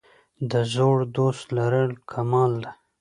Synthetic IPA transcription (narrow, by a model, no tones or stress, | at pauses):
d̪əzoɽd̪ost̪laɾəlkʰamɑːld̪a